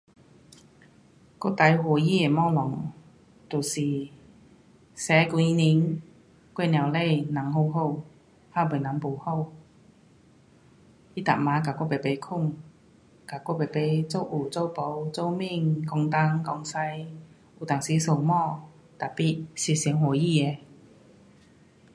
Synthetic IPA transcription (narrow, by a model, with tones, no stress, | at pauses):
kɔ˥˩t̪a˨˧˦jhɔ˨˧˩ji˥˩e˨˩mɔ˥˨lɔ˨˩ŋ | t̪u˨˩siː˨˩ | sɛː˨˧˦ku˧i˧ni˨˧˥ŋ | kwe˥˧nja˨˩wle˥˧jna˨˥˦ŋɦo˥˧wɦo˥˧w | haː˥˩wpe˨˩na˨˥˦ŋpo˨˧who˥˧w | i˧˥t̪a˨˩k̚maː˨˥kaː˨˩kɔ˥˩pe˨˩jpe˨˧˦jkʰʊ˥˩ŋ | ka˨˩kɔ˥˩pe˨˩pe˨˥jt͡so˥˩wʔuː˨˩t͡so˥˧wpo˨˧wt͡so˥˧wmi˥˨ŋkɔ˧ŋt̪a˧˥ŋkɔ˧ŋsa˧j | uː˨˩t̪a˨˩ŋsiː˨˦so˧wmɔː˥˧ | t̪a˨˩pi˨˩t̚si˧˩si˨˧˦ŋɦwɔ˨˩jiː˥˩ɛ˨˩